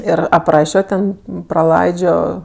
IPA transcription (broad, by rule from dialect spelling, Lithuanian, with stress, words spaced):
ˈɪr ɐpˈrɑːʃʲoː ˈtʲɛn prɐˈlˠɐɪd͡ʒʲoː